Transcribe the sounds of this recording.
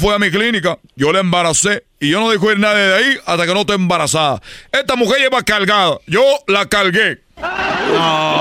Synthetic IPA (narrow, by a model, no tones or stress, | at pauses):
fweamiklinika | ʝo̞leembaɾase̞ | iʝonoðixoiɾnaðjeðaiat̪ake̞nost̪oembaɾasaða̰est̪amuxeɾʝeβakalɣaðaʝolakalɣe